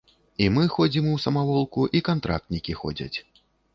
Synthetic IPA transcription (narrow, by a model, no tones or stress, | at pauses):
imɨxɔd͡zʲimuwsɐmavɔlˠkuʔikant̪ɾa̰k̚t̪nʲikʲixɔ̰d͡zʲɐ̰t͡sʲ